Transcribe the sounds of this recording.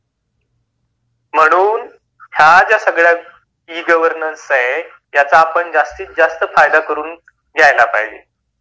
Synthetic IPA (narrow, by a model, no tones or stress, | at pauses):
m̤əɽ̃uːn | ɦjad͡ʑjasəɡɭja | iːɡəʋəɾnənsəɦe | jat͡saːpəɳd͡zast̪iːt̪̚d͡zast̪əfajd̪akəɾuːn | ɡʱjajlapa̰ɦid͡ʑḛ